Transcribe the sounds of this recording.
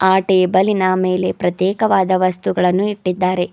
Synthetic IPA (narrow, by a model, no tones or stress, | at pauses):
aːʈebɐlinɐmeːle̞pɾɐt̪jɛːkɐʋaːd̪ɐʋɐst̪uɡɐɭɐnːuiʈːid̪ːaːɾe̞